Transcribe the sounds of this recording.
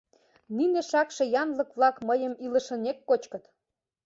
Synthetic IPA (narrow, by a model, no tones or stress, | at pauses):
nineʃɑkʃĕjɑnlɤkβlɑkmɤjəmilə̆ʃə̆nekːot͡ɕkɤ̆t̪